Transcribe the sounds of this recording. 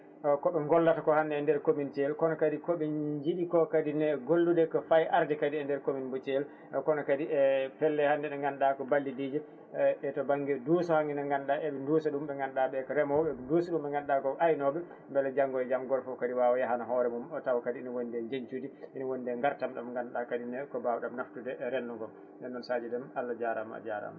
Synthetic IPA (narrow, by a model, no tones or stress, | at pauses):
kɔɓɛŋɡɔlːatakɔhandɛːndɛɾkomint͡ʃɛlkɔnɔkadikɔɓɛɲd͡ʒiɗikɔkadinɛɡolːudɛkɔfajʔaɾdɛkadiɛndɛɾkominbɔt͡ʃɛl | kɔnɔkadiɛpɛlːɛhandɛnɛŋɡanɗakɔbalːidiːd͡ʒɛ | ɛtɔbaŋɡɛdusɔhaŋinaŋɡanɗaʔɛɓɛndusaɗumɓɛŋɡanɗaɓɛkɔɾɛmɔwbɛdosuɗumɓɛŋɡanɗakɔʔajnɔɓɛ | mbɛlɛd͡ʒaŋɡɔɛd͡ʒamɡɔlfɔkadiwawɔjaɦanaɦɔɾɛmumɔtawkadiinɔwondɛɲd͡ʒeɲt͡ʃudiʔinɔwondɛŋɡaɾtamɗamŋɡanɗakadinɛkɔbawɔɗamnaftudɛɾɛnːɔŋɡɔl | dɛnːɔnsad͡ʒɛdɛmalːad͡ʒaɾa̰ma̰d͡ʒaɾa̰ma